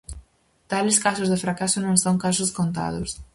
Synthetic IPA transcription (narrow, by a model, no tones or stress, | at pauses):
t̪alɪskasʊzðɪfɾakasʊnõŋsõwŋkasʊskõnt̪a̰ðʊs